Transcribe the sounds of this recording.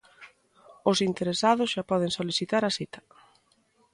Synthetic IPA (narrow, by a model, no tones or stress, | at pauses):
ʊsint̪eɾesaðʊsʃapɔð̞eŋsoliθit̪aɾasit̪ɐ̥